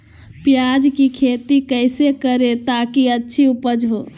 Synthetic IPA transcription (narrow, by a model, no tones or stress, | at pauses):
pjad͡ʒkikʰet̪ikəɪsekəɾet̪akiətːʃʰiupəd͡ʒɦoː